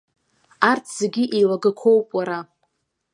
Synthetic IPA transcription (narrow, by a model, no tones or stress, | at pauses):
artʰz̥eɡʲiʔilaɡakʷʰo̞wpʼwaɾa